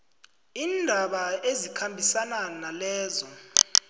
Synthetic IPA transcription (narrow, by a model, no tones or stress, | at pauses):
iːndʱaɓaezikʰambʱisananalɛːzɔ